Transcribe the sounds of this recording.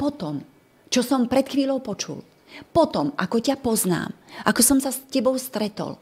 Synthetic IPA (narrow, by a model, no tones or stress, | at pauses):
pɔt̪ɔm | t͡ʃɔsɔmpɾɛt̪xʋiːʎɔʊpɔt͡ʃṵl | pɔt̪ɔmʔakɔcapɔzna̰ːmʔakɔsɔmsascɛbɔʊst̪ɾɛt̪ɔ̰l